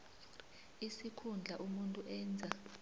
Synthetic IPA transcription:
isikʰund͡ɮʱaʔumuntʼuʔɛːnd͡zʱa

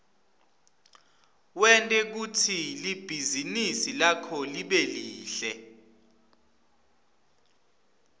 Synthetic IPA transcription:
wɛntʼɛk̬utʰilib̥ʱizinisilakʰɔliɓeliːɬɛ

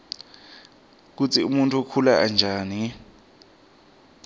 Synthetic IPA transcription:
k̬ut͡sʰiumuntʰukʰulaʔand͡ʒʱaːni

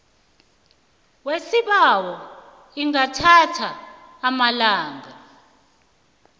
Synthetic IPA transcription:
wesiɓawɔ | iŋatʰatʰaːmalaːŋa

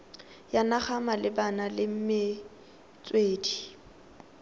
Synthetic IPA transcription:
janaχamalɪbanalɪm̩mɪ | t͡sʼweːdi

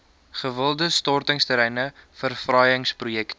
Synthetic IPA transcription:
χəvəlˠdəstɔrtəŋstəɾɛjnəfərfrɐjəŋsprujɛkt

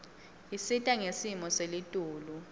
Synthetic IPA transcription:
isitʼaŋesimɔselitʼuːlu

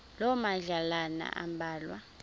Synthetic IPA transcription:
lɔmaɮalana̰ʔa̰mbʱaːlwa

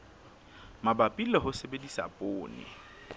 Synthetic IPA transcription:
mabapʼilɛɦʊsebedisa̰pʼoːnɪ̰

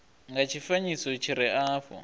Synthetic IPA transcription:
ŋɡat͡ʃʰifaɲisɔt͡ʃʰiɾɛʔaːfɔ̰

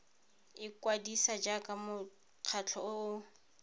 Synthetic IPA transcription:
ɪkʼwadisad͡ʒakʼamʊ | q͡χʰat͡ɬʰɔʊʊ

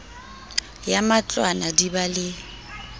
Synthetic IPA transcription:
jamat͡ɬʼwanadibalɪ

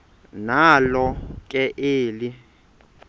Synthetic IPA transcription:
nalɔkʼɛʔeːli

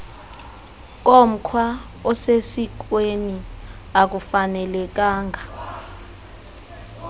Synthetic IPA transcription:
k̬ʼom̩kʰwa | ɔsesik̬ʼweni | ak̬ufanɛlɛk̬ʼaːŋʱa

